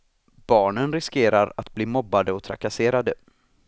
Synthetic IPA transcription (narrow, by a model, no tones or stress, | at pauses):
b̥ɑːɳənɾɪskeːɾaɾat̪bliːmɔbːad̪əɔt̪ʰɾa̰kaseːɾad̪ə